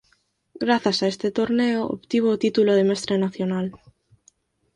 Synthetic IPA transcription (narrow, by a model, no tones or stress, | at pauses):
ɡɾaθasaest̪et̪oɾneoo̰pt̪iβ̞oːt̪it̪uloð̞emest̪ɾenaθjonal